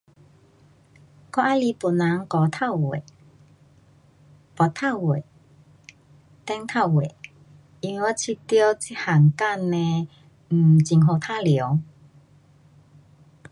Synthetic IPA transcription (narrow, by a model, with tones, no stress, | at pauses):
kɔ˥˧ʔa˧˦li˧pu˨˩nla˨˦ŋkɔ˨˦t̪ʰa˥˧˨wḛ˨˩˨ | pɔ˧˩t̪ʰa˥˨wwe˨ | t̪ɛ˧ŋt̪ʰa˥˧˨wwe˨˩˨ | i˧nwe˧wɔ˧t͡ɕʰi˧t̪jo˦t͡si˦˥ha˨˩ŋka˥˧nẽ˧ | m̩˨˩t͡ɕi˨ŋɦo˧˩t̪ʰa˦ljo˨˦